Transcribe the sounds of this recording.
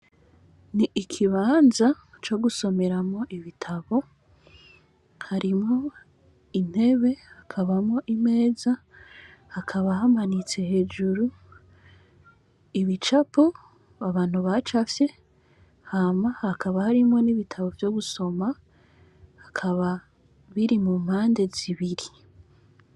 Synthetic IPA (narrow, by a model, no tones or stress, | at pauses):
niikʰiβaːnza | t͡ʃo̞ɡuso̞me̞ɾamŋo̞ʔiβitʰaβo̞ | haɾimŋo̞ | in̥e̞βe̞hakʰaβamŋo̞ʔime̞ːza | hakʰaβaɦamanit͡se̞he̞ːd͡ʒuɾu | iβit͡ʃapo | aβaːn̥huβat͡ʃafje̞ | hamahakaβahaɾimwo̞niβitʰaβo̞vjo̞ɡuso̞ma | hakʰaβa | βiɾimumhaːnde̞ziβiɾi